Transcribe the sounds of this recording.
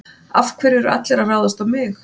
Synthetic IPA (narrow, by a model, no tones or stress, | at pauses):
afkʰvɛɾɛɾa̰t̪lɛɾaraːwðast̪awmɪx